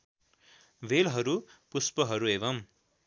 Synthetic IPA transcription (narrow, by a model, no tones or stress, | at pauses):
ʋelɦʌɾupuspʌɦʌɾueβʌm